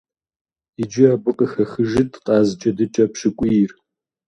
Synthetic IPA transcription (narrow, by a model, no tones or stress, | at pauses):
id͡ʒɪaːbʊqʼəxɐxɨʒɪtʰqʼɑːzd͡ʒʼɐdɨt͡ʃʼɐpɕɪkʷʼijr